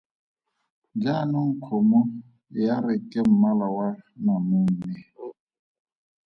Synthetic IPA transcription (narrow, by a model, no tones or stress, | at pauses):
d͡ʒanʊŋ̩kʰɔmʊ | jaɾɪkʼem̩malawanamʊm̩mi